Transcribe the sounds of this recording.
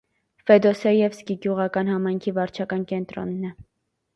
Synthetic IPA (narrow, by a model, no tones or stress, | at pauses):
fɛd̪ɔsɛijɛvskiɡjuʁɑkɑnhɑmɑjŋkʰivɑɾt͡ʃʰɑkɑnkɛnt̪ɾɔ̰nːɛ